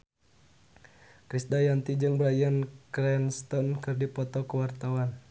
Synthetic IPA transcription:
kɾisdajant̪id͡ʒɨŋbɾajankɾɛnst̪ɔnkɨrdipɔt̪ɔkəwart̪awan

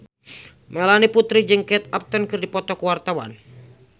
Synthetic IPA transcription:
mɛlaniput̪ɾid͡ʒɨŋkɛt̪ap̚t̪ənkɨrdipɔt̪ɔkuwart̪awa̰n

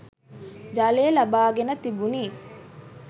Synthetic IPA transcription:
d͡ʒaleːlɐbaːɡenət̪ibuniː

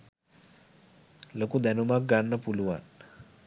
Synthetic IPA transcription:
lokuːd̪ɛnumak̚ɡanːəpuluʋa̰n

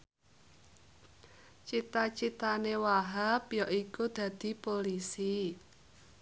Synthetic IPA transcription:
t͡ʃit̪at͡ʃit̪anewaɦapjɔʔikud̪̥ä̤d̪̥i̤polisi

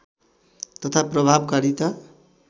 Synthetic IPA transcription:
t̪ʌt̪ʰaprʌbʱabkaɾit̪a

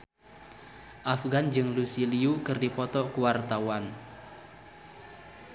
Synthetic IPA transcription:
ʔafɡand͡ʒɨŋlusiliukɨrdipɔt̪ɔkuwart̪awan

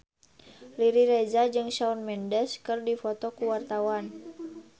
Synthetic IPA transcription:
liɾiɾɛd͡ʒad͡ʒɨŋʃaunmɛndɛskɨrdifɔt̪ɔkuwart̪awan

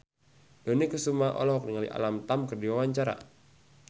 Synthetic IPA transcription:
d̥onikəsumaʔɔ̰lɔɦɔk̚niŋalḭʔa̰lamt̪amkərdiwawaɲt͡ʃaɾa̰

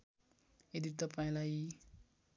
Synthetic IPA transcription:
ed̪it̪ʌpaĩlaj

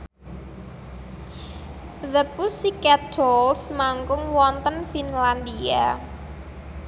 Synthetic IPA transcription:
ðəpusikɛt̚dɔlsmaŋkʊŋwɔnt̪ənfinland̪ia

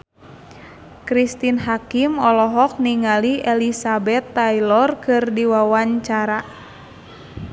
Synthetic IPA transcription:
kɾist̪inɦakimɔlɔɦɔk̚niŋaliʔɛlisabɛt̪ːajlɔrkɨrdiwawaɲt͡ʃaɾa

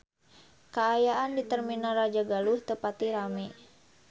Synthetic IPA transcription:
kaːjaʔandit̪ərminarad͡ʒaɡaluht̪əpat̪iɾamɛ

